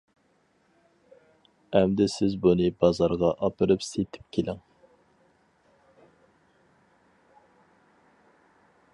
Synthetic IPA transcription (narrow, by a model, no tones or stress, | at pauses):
ɛmd̪ɪsɪzbunɨbɑzɑɾʁɑʔɑpɨɾɨpset̪ʰɪ̥p̚kʲʰelʔɪŋ